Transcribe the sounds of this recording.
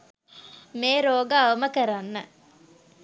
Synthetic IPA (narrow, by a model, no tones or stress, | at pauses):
meːɾoːɡaːʋəməkəɾanːə